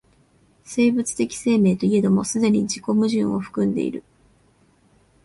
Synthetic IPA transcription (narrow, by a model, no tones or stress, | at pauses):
se̞ːbɯ̟t͡sɨ̥t̪e̞kʲi̥se̞ːme̞ːt̪o̞ie̞d̪o̞mo̞sɨd̪e̞ɲ̟id͡ʑiko̞mɯ̟ʑɨ̰̃ɰ̃o̞ɸɯ̟̥kɯ̟̃nd̪e̞̰ḭɾɯ̟